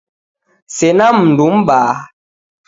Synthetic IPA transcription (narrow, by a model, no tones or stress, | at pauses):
sɛnamn̩dumɓaː